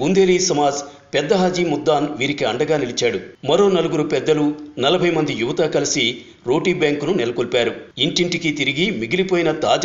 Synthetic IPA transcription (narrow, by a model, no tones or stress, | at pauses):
und̪e̞ːliːsɐmaːd͡ʒ | pɛd̪ːɐɦaːd͡ʒiːmud̪ːaːnʋiːɾikiɐɳɖɐɡaːnilit͡ʃaːɽumɐɾo̞ːnɐluɡuɾupɛd̪ːɐlunɐlɐbʱɐjmɐnd̪ijuʋɐt̪aːkɐlisi | ɾo̞ːʈiːbjaːŋkununɛlɐkolpaːɾuiɳʈiɳʈikit̪iɾiɡimiɡilipoːjinɐt̪aːd͡ʒ